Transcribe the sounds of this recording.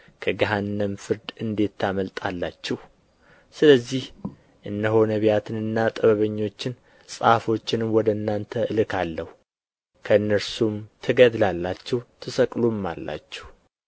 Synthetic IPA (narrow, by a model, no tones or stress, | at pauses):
kʰəɡəɦanːəmfɨɾd̪ɨnd̪e̞t̪ʰːaməlt̪ʼalːat͡ʃːɛh | sɨləzːih | ʔɨnd̪əɦo̞nəβjat̪ʰɨnɨnːat̪ʼəβəβəɲːo̞t͡ʃːɪn | sʼafo̞t͡ʃːɪnwɔd̪əɨnːant̪ʰəɨlɨkʰalːəhu | kʰəɨnːəɾsumt̪ʰɨɡəd̪lalːat͡ʃːɛht̪ʰɨsəkʼlumːa̰lːa̰t͡ʃːɛh